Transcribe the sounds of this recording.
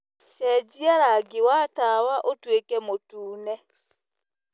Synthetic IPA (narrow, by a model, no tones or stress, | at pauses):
ɕɛd͡ʒiaɾaɡewatawaʔotwekɛmotuːnɛ